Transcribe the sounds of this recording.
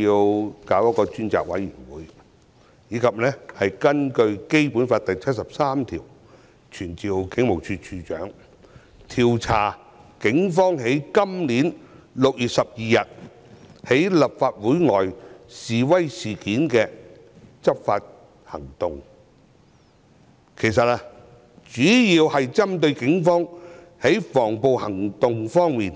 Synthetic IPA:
i˧wkaː˨˥wjɐ˥t̚kːɔː˧t͡ʃyː˥nt͡sa̰ː˨k̚wɐ̰˨˥jɥyː˨˩nwuː˨˥j | jiː˨˥kʰɐ˨p̚nɛː˥hɐ˨jkɐ˥nkɵ˧ɥke˥jpuː˨˥nfaː˧t̚t̪ɐ˨jt͡sʰɐ˥t̚sɐ˨p̚saː˥mt̪ʰḭː˨˩w | t͡ʃʰyː˨˩nt͡siː˨wkɪ˨˥ŋmo˨˩wt͡ʃʰyː˧t͡ʃʰyː˧t͡ʃœ̰ː˨˥ŋ | t̪ʰiː˨wt͡sʰaː˨˩ | kɪ˨˥ŋfɔː˥ŋɦe˨˥jkɐ˥mliː˨˥nlʊ˨k̚jyː˨t̚sɐ˨p̚jiː˨jɐ˨t̚ | he˨˥jlɐ˨p̚faː˧t̚wuː˨˥jŋɔː˨˩jsiː˨wɐ˥jsiː˨kiː˨˥nkɛː˧ | t͡sɐ˥p̚fa̰ː˧t̚ | hɐ̰˨˩ŋt̪ʊ˨ŋ | kʰe˨˩jsɐ˨t̚a˧ | t͡ʃyː˨˥jiː˧whɐ˨jt͡sɐ˥mt̪ɵ˧ɥkɪ˨˥ŋfɔː˥ŋ | he˨˥jfɔː˨˩ŋpo˨whɐ˨˩ŋt̪ʊ˨ŋfɔː˥ŋmiː˨˩n

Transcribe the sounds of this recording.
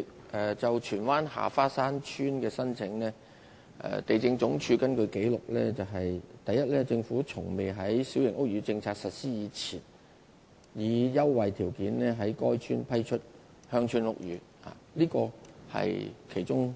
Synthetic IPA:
k | ʔɛ˨t͡sɐ˨wt͡ʃʰyː˨˩nwaː˥nha̰ː˨˩faː˥saː˥nt͡ʃʰyː˥nkɛː˧sɐ˥nt͡sʰɪ˨˥ŋlɛː˥ | ʔɛ̰˨t̪e˨jt͡sɪ˧ŋt͡sʊ˨˥ŋt͡ʃʰyː˧kɐ˥nkɵ˧ke˨˥jlʊ˨k̚lɛː˥t͡sɐ˨wɦɐ˨jt̪ɐ˨jɐ˥t̚lɛː˥t͡sɪ˧ŋfuː˨˥t͡sʰʊ˨˩ŋme˨jɦɐ˨˥jsi˨˥wjɪ˨˩ŋʊ˥k̚ɥyː˨˧˥t͡sɪ˧ŋt͡sʰaː˧k̚sɐ˨t̚siː˥jiː˨˧t͡sʰiː˨˩n | jiː˨˧jɐ˥wwɐ˨jt̪ʰiː˨˩wkiː˨˥nlɛː˥ɦɐ˨˥jkɔː˥jt͡ʃʰyː˥npʰɐ˥jt͡ʃʰɵ˥t̚ | hœː˥ŋt͡ʃʰyː˥nlʊ̰˥k̚jyː˨˧ | a̰ː˨liː˥kɔː˧hɐ̰˨jkʰe˨˩jt͡ʃʊ˥ŋ

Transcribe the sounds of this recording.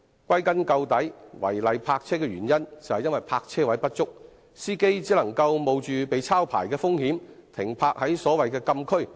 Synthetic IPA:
kʷɐ˥jkɐ˥nkɐ˧wt̪ɐ˨˥jwɐ̰˨˩jlɐ˨jpʰaː˧k̚t͡sʰɛː˥kɛː˧ɥyː˨˩njɐ˥nt͡sɐ˨whɐ˨jɐ˥nwɐ˨˩jpʰaː˧k̚t͡sʰɛː˥wɐ˨˥jpɐ˥t̚t͡sʊ˥k̚ | siː˥ke˥jt͡siː˨˥lɐ˨˩ŋkɐ˧wmo˨˧wt͡ʃyː˨pe˨jt͡sʰaː˥wpʰa̰ː˨˩jkɛː˧fʊ˥ŋhiː˨˥m | t̪ʰɪ˨˩ŋpʰaː˧k̚hɐ˨˥jsɔː˨˥wɐ˨jkɛː˧kɐ˧mkʰɵ˥ɥ

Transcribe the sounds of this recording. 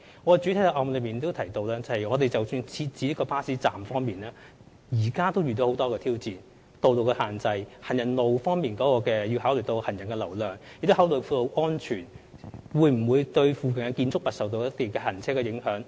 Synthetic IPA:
ŋɔː˨˥˧t͡ʃy˨˥t̪ʰjt̪ɐ˨˧ʔɔː˧mlɵ˨˧miː˨nt̪o˥wt̪ʰɐ˨˩jt̪o˧wlaː˥t͡sɐ˨˧hɐ˨˩jŋɔː˨˧t̪e˨jt͡sɐ˨wsyː˧nt͡sʰiː˧t̚t͡siː˨˥jɐ˥kɔː˧paː˥siː˨˥t͡saː˨mfɔː˥ŋmiː˨naː˥ | jiː˨˩kaː˥t̪o˥wjyː˨t̪o˧who˨˥wt̪ɔː˥kɛː˧t̪ʰiː˥wt͡siː˨n | t̪o˧wlo˨˧wkɛ˧haː˨˩nt͡sɐ˧jhɐ˨˩njɐ˨˩nlo˨wfɔː˥ŋmiː˨nkɔː˨˥kɔː˧kɛː˧ji˧whaː˨˥wlɵ˨˩t̪o˧whɐ˨˩njɐ˨˩nkɛ˧lɐ˨˩wlœː˨˩ŋjɪ˨k̚t̪o˥haː˨˥wlɵ˨˩fuː˧lo˧wʔɔː˥nt͡ʃʰyː˨˩nwuː˨˧jm̩˨˩wuː˨˧jt̪ɵ˧ɥfuː˨kɐ˨˩ŋɛ˧kiː˧nt͡sʊ˥k̚pɐ˨t̚sɐ˨wt̪o˧wɐ˥t̪iː˨˩kɛː˧ɦɐ˨˩nt͡sʰɛː˥kɛ˧jɪ˨˥ŋhœː˨˥ŋ

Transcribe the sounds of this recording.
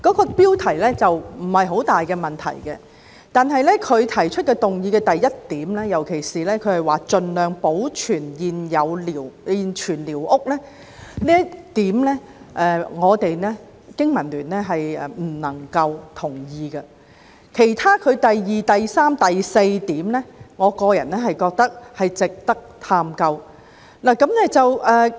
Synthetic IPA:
kɔː˨˥kɔː˧piː˥wt̪ʰɐ˨˩jlɛː˥t͡sɐ˨wm̩˨˩hɐ˨jɦo˨˥wt̪aː˨jkɛː˧mɐ˨˩nt̪ʰɐ̰˨˩jkɛ˧ | t̪aː˨nɦɐ˨jlɛ˥kʰɵ˨˧ɥt̪ʰɐ˨˩jt͡ʃʰɵ˥t̚kɛː˧t̪ʊ˨ŋjiː˧kɛː˧t̪ɐ˨jːɐ˥t̚t̪iː˨˥mlɛː˥jɐ˨˩wkʰe˨˩jsiː˨lɛː˥kʰɵ˨˧ɥhɐ˨˩jwaː˨t͡ʃɵ˨nlœː˨ŋpo˨˥wt͡ʃʰyː˨˩njiː˨njɐ˨˧wliː˨˩wiː˨nt͡ʃʰyː˨˩nliː˨˩wʔʊ˥k̚lɛː˥ | liː˥ɐ˥t̪iː˨˥mlɛː˥ | ʔɛ˧ŋɔː˨˧t̪e˨jnɛ˥ | kɪ˥ŋmɐ˨˩nlyː˨˩nlɛː˥ɦɐ˨jɛ˨˧m̩˨˩nɐ˨˩ŋkɐ˧wt̪ʰʊ˨˩ŋjiː˧ɡɐ˧ | kʰe˨˩jt̪ʰaː˥kʰɵ˨˧ɥt̪ɐ˨jjiː˨t̪ɐ˨jsaː˥mt̪ɐ˨jse˧jt̪iː˨˥mnɛ˥ŋɔː˨˧kɔː˧jɐ˨˩nnɛː˥ɦɐ˨jkɔː˧k̚t̪ɐ˥k̚hɐ˨jt͡sɪ˨k̚t̪ɐ˥k̚t̪ʰaː˧mkɐ˧w | naː˨˩kɐ˨˥mnɛ˥t͡sɐ˨wɛː˨

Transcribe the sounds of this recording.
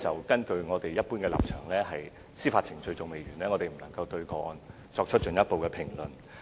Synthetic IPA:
t͡sɐ˨˩wkɐ˥nkɵ˧ɥŋɔː˨˧t̪e˨jːɐ˥t̚pu˥nkɛː˧la̰˨p̚t͡ʃʰœː˨˩ŋlɛː˥ɦɐ˨j | siː˥faː˧t̚t͡sʰɪ˨˩ŋt͡ʃɵ˧ɥt͡sʊ˨ŋme˨jɥyː˨˩nlɛː˥ŋɔ˨˧t̪e˨jm̩˨˩nɐ˨˩ŋkɐ˧wt̪ɵ˧ɥkɔː˧n | t͡sɔː˧k̚t͡ʃʰɵ˥t̚t͡ʃɵ˨njɐ˥t̚po˨wkɛː˧pʰɪ˨˩ŋlɵ˨n

